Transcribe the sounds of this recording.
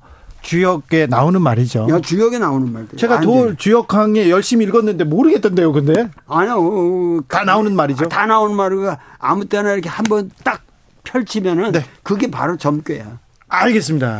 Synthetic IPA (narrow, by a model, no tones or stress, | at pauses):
t͡ɕujʌɡe̞naonɯnmaɾid͡ʑojat͡ɕujʌɡe̞naonɯnmaɾdt͡ɕe̞ɡatot͡ɕujʌkʰaŋe̞jʌɭɕ͈imiɭɡʌnːɯnde̞moɾɯɡe̞t͈ːende̞jokɯnde̞aɲi | tanaonɯnmaɾid͡ʑotanaonɯnmaɾɯɡaa̰mut͈enaiɾʌkʰe̞hambʌnt͈ak̚ | pʰjʌɭt͡ɕʰimjʌnɯnne̞kɯɡe̞pa̰ɾot͡ɕʌmk͈eja | aɭɡe̞s͈ɯmɲida̰